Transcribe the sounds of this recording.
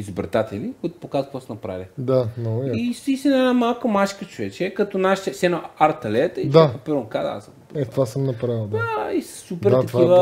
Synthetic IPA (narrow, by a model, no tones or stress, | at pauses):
izobɾt̪at̪ɛlikoit̪ʊ̥pokazəkvɔsnɐpɾa̰vʲəd̪anɔisist̪ʲinɛnamalˠkəmaʃkət͡ʃovɛt͡ʃɛkɐt̪onaʃt̪ɛsɛnɐaɾt̪ɐlɛt̪əit͡ʃd̪akɐpɛɾonkad̪a̰səmpɛt̪vasəmnɐpɾavid̪aaissupɛɾat̪ɐt̪kivə